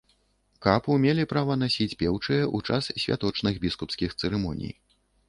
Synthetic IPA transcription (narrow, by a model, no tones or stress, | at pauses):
kapumʲelʲipɾavɐnasʲit͡sʲpʲɛwt͡ʂɨjɛʔut͡ʂassʲvʲa̰t̪ɔt͡ʂnɨɣbʲiskupskʲixt̪sɨɾɛmɔ̰nʲḭj